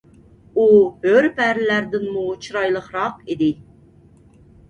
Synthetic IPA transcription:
uhøɾpæɾlæɾd̪ɪnmut͡ʃʰɾɑjlˠəχɾɑqid̪ɪ

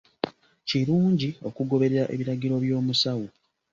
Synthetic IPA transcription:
ciɾuːɲɟio̞kuɡo̞βe̞ɾeɾaʔe̞̰βiɾaɟiɾo̞βjo̞ːmusawu

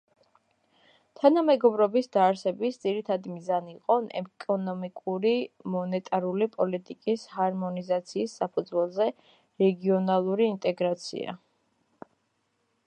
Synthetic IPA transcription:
t̪ʰanamɛɡɔbɾɔbisd̪aːɾsɛbisd̪z̥iɾit̪ʰad̪imizaniiqʼɔnɛ̰kʼɔnɔmikʼuɾimɔnɛt̪ʼaɾulipʼɔlit̪ʼikʼishaɾmɔnizat̪sʰiːsːapʰud̪zwɛlˠzɛ | ɾɛɡiɔnalˠuɾiːnt̪ʼɛɡɾat̪sʰḭa̰

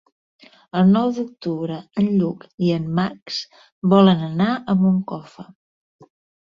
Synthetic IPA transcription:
əlˠnɔwd̪uk̚t̪uβɾəənʎukiəmːaks | bɔlənənaʔəmbuŋkɔfə

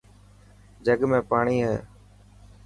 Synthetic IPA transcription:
d͡ʒəɠmẽːpaːɳiːɦɛ̰ː

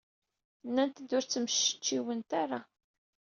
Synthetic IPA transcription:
nːænt̪əd̪ʊɾt͡sːəməʃə̥t͡ʃːiwənt̪aɾˤa

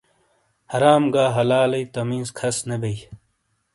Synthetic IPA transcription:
hɐɾaːmɡaːɦɐlaːlɐjt̪ɐmĩːzkʰɐsnebei

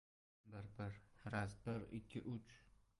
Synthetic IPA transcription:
bɪɾbɪɾɾasbɪɾɪ̰kʲʰːɪ̰ʔʊt͡ʃʰ

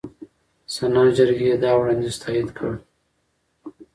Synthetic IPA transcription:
sanɑd͡ʒɪɾɡejed̪ɑwɽɑnd̪est̪ʰɑjɪd̪kʰəɽ

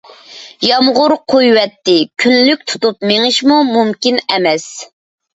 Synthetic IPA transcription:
jɑmʁʊɾqʰojwɛt̪ːɪkʲʰynlyk̚ʲt̪ʰu̥t̪upmeŋɪʃmumumkʲinɛmɛs

